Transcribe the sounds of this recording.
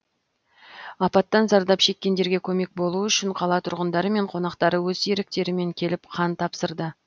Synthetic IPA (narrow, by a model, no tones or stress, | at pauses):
ɑpɑt̪ːɑnzɑɾd̪ɑpʃe̞kʲːe̞nd̪e̞ɾɡʲe̞kʲʰɵme̞k̚bo̞lˠuʏʃɪɴqʰɑlˠɑt̪ʰʊɾʁənd̪ɑɾəme̞ɴqʰo̞nɑqt̪ɑɾəwɵzeɾɪk̚t̪e̞ɾɪme̞ŋkʲʰe̞lɪpqʰɑnt̪ʰɑpsəɾd̪ə